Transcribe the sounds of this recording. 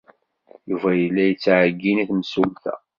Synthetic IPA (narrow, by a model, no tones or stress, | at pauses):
juvæjəlːæjət͡sːʕəɡːiniθmsulθæ̰